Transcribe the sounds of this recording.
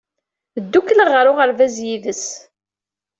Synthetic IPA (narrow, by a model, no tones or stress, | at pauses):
d̪ːukləʁəɾʊʁəɾvæzjiðəs